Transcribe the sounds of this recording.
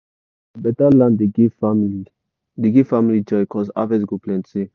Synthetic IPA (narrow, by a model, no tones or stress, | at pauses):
əbɛtalãndeɡimi | diɡifamilid͡ʒɔjkɔsa̰vɛ̃s̬ɡuplɛ̃nse